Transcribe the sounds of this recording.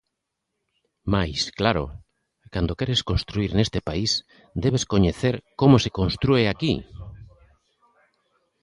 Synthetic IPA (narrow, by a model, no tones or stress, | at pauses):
majsklaɾo̰ | kand̪okɛɾeskonst̪ɾuiɾnest̪epais | d̪eβeskoɲeθeɾkomosekonst̪ɾueaki